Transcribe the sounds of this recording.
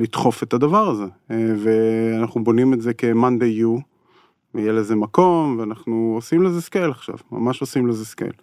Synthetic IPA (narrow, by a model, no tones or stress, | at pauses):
lit̪χo̞fe̞tad̪avaʁaze̞veanaχnubo̞nimetze̞ke̞mand̪eju | vejeleze̞mako̞mveanaχnuosimlezeskejlaχʃa̰vma̰maʃo̞simlezeskḛl